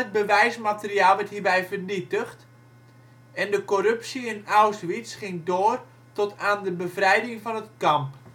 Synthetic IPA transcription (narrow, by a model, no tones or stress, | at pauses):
ət̚bəʋɛjsmatərjaːlˠʋɛthiːrbɛjvərnitəxt | ɛndəkorɵpsiɪnawsʋitsχɪŋdoːr | tɔtʰaːndəbəvrɛjdɪŋvɔnətkɑmp